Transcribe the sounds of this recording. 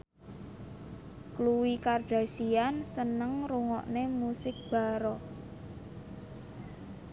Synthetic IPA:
kluwikarɖ̥a̤siansənəŋruŋɔ̰ʔnemusɪk̚b̥a̤ɾɔ

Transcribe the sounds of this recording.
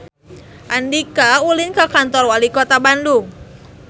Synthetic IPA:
ʔandikaulinkakant̪ɔrwalikɔt̪abandu

